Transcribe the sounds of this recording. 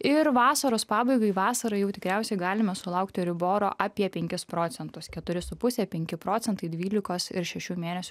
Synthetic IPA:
ɪɾʋɑːsɐɾoːspɑːbɐɪɡɐɪʋɑːsɐɾɐɪjɛʊt̪ʲɪkɾʲæˑʊsʲɛɪɡɑːlʲɪmɐsʊlˠɐʊkt̪ʲɪɾʲɪboːɾo̰ːʔɑpʲiɛpʲɛŋʲkʲɪspɾoːt̪sʲɛnt̪ʊskʲɛt̪ʊɾʲɪsʊpʊsʲɛːpʲɛŋʲkʲɪpɾoːt̪ʲɛnt̪ɐɪd̪ʲʋʲiːlʲɪkoːsɪɾʃʲɛʃʲuːmʲeːnʲɛsʲʊ

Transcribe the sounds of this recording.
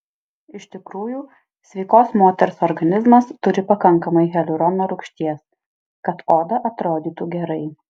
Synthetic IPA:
ɪʃʲt̪ʲɪkɾuːjuː | sʲʋʲɛɪkoːsmoːt̪ʲɛɾsɔɾɡɐnʲɪzmɐst̪ʊɾʲɪpɐkɐŋˑkɐmɐɪɣʲɛlʲʊɾɔnoːɾʊkʃʲt̪ʲiɛs | kɐt̪oːd̪ɐʔɐt̪ɾoːd̪ʲiːt̪uːɡʲɛɾɐɪ

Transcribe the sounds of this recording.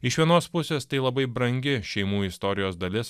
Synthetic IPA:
ɪʃʋʲiɛnoːspʊsʲeːst̪ɐɪlˠɐbɐɪbɾɐŋʲɡʲɪʃʲɛɪmuːɪst̪ɔɾʲɪjoːsd̪ɐlʲɪs

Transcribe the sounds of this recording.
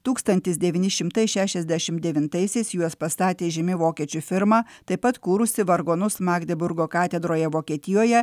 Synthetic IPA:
t̪uːkst̪ɐnʲt̪ʲɪsd̪ʲɛʋʲiːnʲɪʃʲɪmt̪ɐɪʃʲæːʃʲɛzʲd̪ʲæʃʲɪmd̪ʲɛʋʲɪnt̪ɐɪsʲɛɪsjuɔspɐst̪ɑːt̪ʲeːʒʲɪmʲɪʋoːkʲiɛt͡ʃʲufʲɪɾmɑːt̪ɐɪpɐt̪kuːɾʊsʲɪʋɐɾɡoːnʊsmɑːɡd̪ʲɛbʊɾɡoːkɑːt̪ʲɛd̪ɾoːjɛʋoːkʲiɛt̪ʲɪjoːjɛ

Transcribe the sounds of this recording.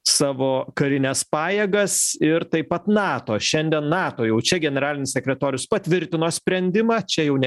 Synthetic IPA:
sɑːʋoːkɐɾʲɪnʲɛspɑːjeːɡɐsɪɾt̪ɐɪpɐt̪nɑːt̪oːʃʲɛnʲd̪ʲiɛnnɑːt̪oːjɛʊt͡ʃʲɛɡʲɛnʲɛɾɑːlʲɪnʲɪssʲɛkʲɾʲɛt̪oːɾʲjʊspɐt̪ʲʋʲɪɾʲt̪ʲɪnoːsʲpʲɾʲɛnʲd̪ʲɪmɑːt͡ʃʲɛjɛʊnʲɛ

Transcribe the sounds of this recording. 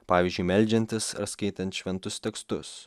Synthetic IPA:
pɑːʋʲizʲd͡ʒʲʊɪmʲɛlʲd͡ʒʲɛnʲt̪ʲɪsɐ̰ɾskɐɪt̪ʲɛnt̪ʃʲʋʲɛnt̪ʊst̪ʲɛkst̪ʊs

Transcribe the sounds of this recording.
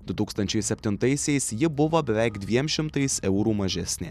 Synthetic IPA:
d̪ʊt̪uːkst̪ɐnʲt͡ʃʲɛɪsʲɛpʲt̪ʲɪnt̪ɐɪsʲɛɪsjɪbʊʋoːbʲɛʋʲɛɪkd̪ʲʋʲiɛmʃʲɪmt̪ɐɪsɛʊɾuːmɐʒʲɛsʲnʲḛː

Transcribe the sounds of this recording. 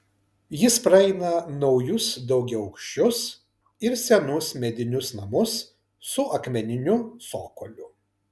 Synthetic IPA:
jɪspɾɐɛɪnɐnɒʊjʊsd̪ɒʊɡʲɛɐʊkʃʲt͡ʃʲʊs | ɪɾsʲɛnʊsmʲɛd̪ʲɪnʲʊsnɐmʊsː | ʊʔɐkmʲɛnʲɪnʲʊsoːkolʲʊ

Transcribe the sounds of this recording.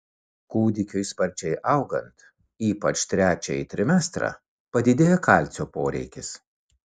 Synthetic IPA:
kuːd̪ʲɪkʲʊɪspɐɾʲt͡ʃʲɛɪʔɐʊɡɐ̰nt̪ | iːpɐt͡ʃʲt̪ʲɾʲæːt͡ʃʲɛjɪt̪ʲɾʲɪmʲɛst̪ɾɑ̰ | pɐd̪ʲɪd̪ʲeːjɛkɐˑlʲt̪sʲoːpoːɾʲɛ̰ɪkʲɪs

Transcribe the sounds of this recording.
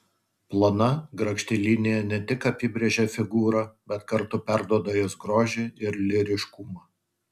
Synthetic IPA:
plˠonɐɡɾɐkʃʲt̪ʲɪlʲinʲɪjɛnʲɛt̪ʲɪkɐpʲɪbʲɾʲeʒʲɛfʲɪɡuːɾɐbʲɛt̪kɐɾt̪ʊpʲæɾd̪uɔd̪ɐjoːsɡɾoːʒʲeɪɾlʲɪɾʲɪʃkʊmɑː

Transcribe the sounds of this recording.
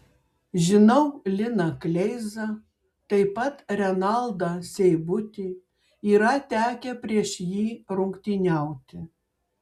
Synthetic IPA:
ʒʲɪnɐʊlʲɪnɐklʲɛɪzɐ | t̪ɐɪpɐt̪ɾʲɛnɑlˠd̪ɑsʲɛɪbʊt̪ʲiː | iːɾɐt̪ʲæːkʲɛpʲɾʲiɛʃjiːɾʊŋkt̪ʲiːnʲæˑʊt̪ʲɪ

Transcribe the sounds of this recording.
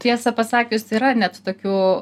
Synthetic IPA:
t̪ʲiɛsɐpɐsɑːkʲʊsiːɾɐnʲɛt̪t̪oːkʲuː

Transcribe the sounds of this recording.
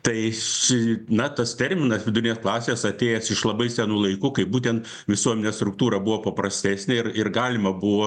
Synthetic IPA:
t̪ɐɪʃʲɪnɐt̪ɐst̪ʲɛɾʲmʲɪnɐsʋʲɪd̪ʊɾʲɪnʲeːsklˠɑːsʲeːsɐt̪ʲeːjɛsɪʃlˠɐbɐɪsʲænuːlˠɐɪkuːkɐɪp̚buːt̪ʲɛnt̪ | ʋʲɪsuɔmʲɛnʲɛːst̪ɾʊk̚t̪uːɾɐbuʋoːpɐpɾɐsʲt̪ʲæːsʲnʲeɪrɪrɡɑːlʲɪmɐbʊʋoː

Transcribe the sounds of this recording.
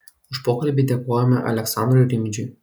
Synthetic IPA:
ʊʃpoːkɐlʲbʲid̪ʲɛkoːjɛmʲɐʔɐ̰lʲɛksɑnd̪ɾʊjɾʲɪmʲd͡ʒʲʊj

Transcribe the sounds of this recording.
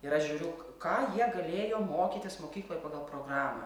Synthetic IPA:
ɪɾɐʃʒʲuːɾʲʊʊ | kɑːjiɛɡɐlʲeːjoːmoːkʲiːt̪ʲɪsmoːkʲiːklˠoːjpɑːɡɐlˠpɾoːɡrɑːmɐ

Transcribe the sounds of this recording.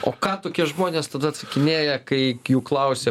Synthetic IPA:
oːkɑːt̪oːkʲiɛʒmoːnʲeːst̪ɐd̪ɐt̪sɐkʲɪnʲeːjɛkɐɪjuːklˠɐʊsʲeː

